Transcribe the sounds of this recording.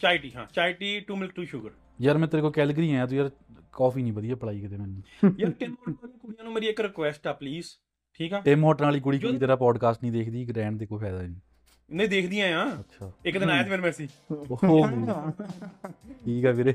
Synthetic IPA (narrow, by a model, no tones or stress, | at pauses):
t͡ʃaːɪʈiːɦãːt͡ʃaːɪʈiːʈuːmɪlk̚ʈuːʃʊɡəɾ | jəɾmɛ̃ːt̪əɾekoːkɛːlɡəɾiːɦãːãːt̪̬uːjəɾkɔːfʰiːnĩːbəd̪ijaːpəɽaːiːkəd̪eːmɛ̃ːnːũːjəɾʈɪmɔːnːliːkʊɽijãːnũːmeːɾiekɾɪkʋɛːsʈɛːpliːz | ʈʰiːkɦɛːʈɪmɦɔːʈnaːliːk̬ʊɽiːkːiit̪eːɾaːpɔːɖkaːsʈnĩːd̪eːkʰd̪iːɡɾɛ̃ːɳ̚d̪eːkoːpʰɛːd̪aː | nẽːd̪eːkʰd̪ɪjãːãːətːʃʰaːɪkd̪ɪnaːjaːt̪meːɾmɛːsiːoɡu | ʈʰiːkɛːmeːɾeː